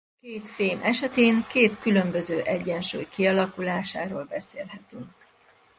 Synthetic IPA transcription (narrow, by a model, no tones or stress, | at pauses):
keːt̪feːmʔɛʃɛt̪eːŋkeːt̪kylømbøzøːʔɛɟːɛnʃṵːjkiɒlɒkulaːʃaːɾoːlbɛsḛːlɦɛt̪yŋk